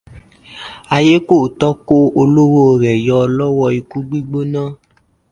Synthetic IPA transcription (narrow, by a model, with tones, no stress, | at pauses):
a˧je˦ko˦˨tɔ˦ko˦o˧lo˦wo˦˨ɾɛ˨jɔ˧lɔ˦wɔ˧i˧ku˦ɡ͡bi˦ɡ͡bo˦nãː˦˨